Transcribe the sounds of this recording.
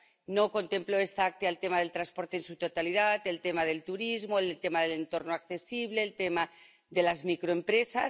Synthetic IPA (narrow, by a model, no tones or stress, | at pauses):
no̞ko̞nt̪e̞mplo̞est̪aak̚t̪ialt̪e̞maðe̞lt̪ɾanspo̞ɾt̪eːnsut̪o̞t̪aliðat̪e̞lt̪e̞maðe̞lt̪uɾizmo̞elt̪e̞maðele̞nt̪o̞ɾnoakθe̞siβle̞ːlt̪e̞ma | ðe̞lazmikɾo̞e̞mpɾe̞sa